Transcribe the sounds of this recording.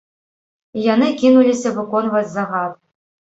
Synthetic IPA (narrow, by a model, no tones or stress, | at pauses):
janɨkʲinulʲisʲɐvɨkɔnvɐd͡zʲzaɣat̪̚